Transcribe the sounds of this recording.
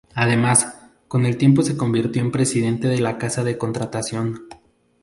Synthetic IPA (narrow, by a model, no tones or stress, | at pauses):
aðe̞mas | ko̞ne̞lt̪je̞mp̬o̞se̞ko̞mbiɾt̪jo̞umpɾe̞siðe̞nt̪e̞ð̞e̞lakasaðe̞ko̞nt̪ɾat̪asjo̞n